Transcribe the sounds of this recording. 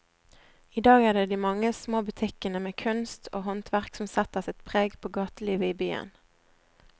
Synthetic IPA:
iːd̪ɑːɡæːʁd̪eːd̪iːmɑŋːəsmoːbʉt̪ʰɪkənəmeːkʰʉnst̪ʰo̰ːɦɔnt̪ʰʋæʁksɔmsɛt̪əsɪt̪pʰʁeːɡpʰoːɡɑːt̪əliːʋəiːbyːə̰n

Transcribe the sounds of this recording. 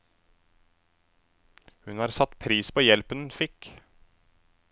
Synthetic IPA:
hʉnhɑːɾsɑt̪pʰɾiːspʰoːjɛlpənnfɪk

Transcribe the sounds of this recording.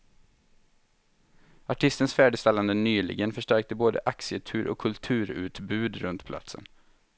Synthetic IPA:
aʈʰɪst̪ənsfæːɖɪst̪ɛlːand̪ənyːlɪ̰ɡənfœʂʈæɾk̚t̪əboːd̪ə̰ʔaksɪət̪ʰʉ̟ːɾʔɔ̰kʰːɵlt̪ʰʉ̟ːɾʉ̟ːt̪bʉ̟ːd̪ɾɵ̰nt̪pʰla̰t̪sə̰n

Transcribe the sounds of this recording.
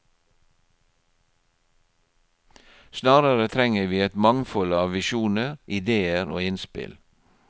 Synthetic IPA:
snɑːɾəɾət̪ʰɾɛŋəʋiːɛt̪mɑŋfɔlɑːʋʋɪʃuːnəɾʔɪd̪eːəɾo̰ːɪnspɪ̰l

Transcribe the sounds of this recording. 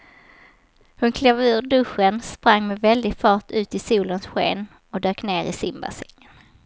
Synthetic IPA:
hɵnkʰlɛv̟ʉːɖɵʂənspɾaŋːmɛvɛld̪ɪɡfɑːʈʰʉ̟ːt̪ɪsuːlənsɧḛːn | ɔd̪øːkneːɾɪ̰sɪmba̰sɛ̰ŋːən

